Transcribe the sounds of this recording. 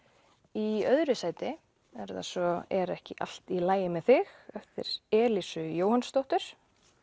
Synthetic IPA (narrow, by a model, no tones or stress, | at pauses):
iœðɾʏsaːjt̪ɪ | ɛɾða̰svɔɛɾɛhcɪʔa̰l̥t̪ilaːjɪmɛðθɪxœft̪ɪ̰ɾ̥ɛːlisʏjoːwhanst̪owht̪ʏɾ̥